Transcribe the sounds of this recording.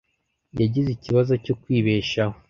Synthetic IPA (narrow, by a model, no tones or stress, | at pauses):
jaɟiziciβazo̞cokwiːβe̞ːʃaho